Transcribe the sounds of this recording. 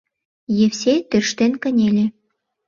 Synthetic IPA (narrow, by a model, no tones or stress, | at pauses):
jewsʲet̪ørʃt̪enkə̆nʲelʲe